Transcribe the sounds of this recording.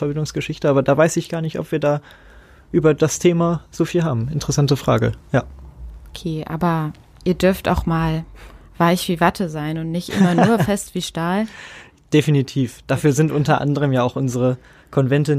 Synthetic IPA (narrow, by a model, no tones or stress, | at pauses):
fɛɐbɪndʊŋsɡ̥əʃɪçtəaːbɐdaːvaɪsɪçɡ̥aːɐnɪçtɔ̰pv̥iːɐdaː | ʔyːbɐdastʰeːmaz̥oːfiːlɦaːbm̩ɪntəʁɛsantəfʁ̥a̰ːɡə̰jaːʔokʰeːʔa̰ːbɐ | ʔiːɐdʏɐfta̰ʊxmaːlv̥aɪçv̥iːvatʰəzaɪnʊntnɪçtʔɪ̰mɐnuːɐfɛstv̥iːʃtaːl | d̥efinitʰiːfd̥aːfyːɐzɪntʔʊntɐʔa̰ndəʁ̞əmjaːaʊxʔʊnzəʁə | kʰɔnvɛntə